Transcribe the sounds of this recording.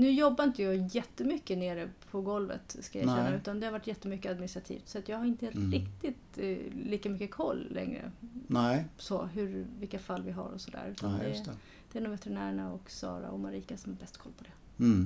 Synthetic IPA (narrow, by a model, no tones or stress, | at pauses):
nʉ̟ːjɔbːaɾɪnt̪əjɑjɛt̪ːəmʏkːəneːɾəpʰɔɡɔlvə̰t̪skajaʃɛnːaʉ̟ːt̪and̪ɛhaɾvaʈːjɛt̪ːəmʏkːəad̪̚mɪnɪst̪ɾat̪ʰḭːft̪sɔat̪jɑːɡhaɾɪnt̪əɾɪkt̪ɪt̪liːkamʏkːəkʰɔlːɛ̰ŋɾə̰nɛsɔɦɵɾvɪkːafalːvɪɦa̰ɾɔsɔd̪æ̰ːɾʉ̟ːt̪and̪ɛ | d̪̥ɛæɖ̪ɔmvɛt̪ɛɾɪnæːɾɳaɔksɑ̰ːɾa̰ɔmaɾiːkasɔmhabɛst̪kʰɔlːpʰɔd̪ɛ